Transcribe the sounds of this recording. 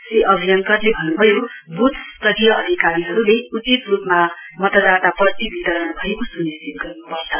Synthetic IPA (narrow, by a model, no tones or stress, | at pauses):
seʔʌbʱijʌŋkʌrlebʱʌnnubʱʌjobut̪ʰst̪ʌd̪ijʌʌd̪ʱikaɾiɦʌɾulejut͡sit̪rupma | mʌt̪ʌd̪at̪aprʌt̪ibʱit̪ʌɾʌnbʱʌekosunist̪it̪̚ɡʌrnupʌrt͡sʰʌ